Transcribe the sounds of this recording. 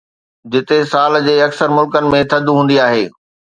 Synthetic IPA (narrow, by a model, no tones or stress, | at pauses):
d͡ʑɪt̪esaːld͡ʑeːɐksəɾmʊlkənɪ̆mẽt̪ʰɐd̪ʱɦũːn̆d̪iaːɦeː